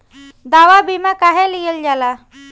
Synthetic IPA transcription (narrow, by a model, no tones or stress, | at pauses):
d̪aʋabimakaɦeliɡəld͡ʒala